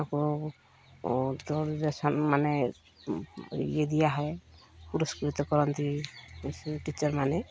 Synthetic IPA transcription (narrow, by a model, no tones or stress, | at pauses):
akɔ | dɔɾiɾesɔnmanɛ | ed̪ijaɦɔjpuɾɔskɾit̪ɔkɔɾɔnt̪i | ʈit͡ʃɔɹmanɛ